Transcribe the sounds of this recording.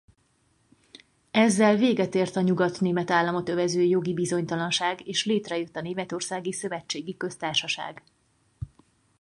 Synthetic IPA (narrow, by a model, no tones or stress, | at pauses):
ɛzːɛlveːɡɛt̪eːrt̪ɒɲuɡɒt̪neːmɛt̪aːlːɒmo̞t̪ø̞vɛzøːjo̞ɡibizo̞ɲt̪ɒlɒnʃaːɡeːʃleːt̪rɛjøt̪ːɒneːmɛt̪o̞rsaːɡisø̞vɛt͡ʃːeːɡikø̞st̪aːrʃɒʃa̰ːɡ